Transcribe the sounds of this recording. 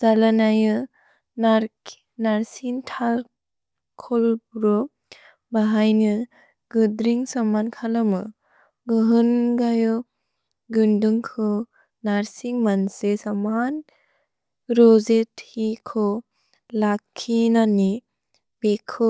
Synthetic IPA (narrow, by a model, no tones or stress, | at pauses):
zalanajɯ | naɾ | naɾsiŋtʰal | kʰɔlbɾɔ | baɦajnɯ | ɡɯdɾiŋsamankʰalamɯ̰ | ɡɯɦɯnɡajɯ | ɡɯndɯŋkʰɯ | naɾsiŋmansesaman | ɾɔzethikʰɔ | lakʰːinani | bekʰɯ